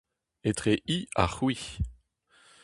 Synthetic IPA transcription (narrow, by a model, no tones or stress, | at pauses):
et̪χeʔia̰χwi